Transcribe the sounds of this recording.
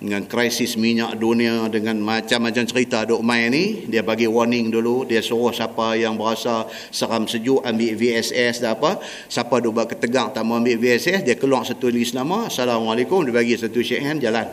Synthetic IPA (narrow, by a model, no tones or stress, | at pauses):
dəŋankɾajsɪsmiɲaʔduniadəŋanmat͡ʃamːat͡ʃamt͡ʃəɾit̪adoʔmajnidiabaɡiwɔrnɪŋduludiasuɾʊhsapajaŋbəɾasa | səɾamsəd͡ʒʊʔambiʔviɛsɛsdaapa | sapadobaʔkət̪əɡaŋt̪aʔmaambiʔviɛsɛsdiakəlwaʔsat̪ulisnamasalamalekʊmdibaɡisat̪uʃəʔɛnd͡ʒalan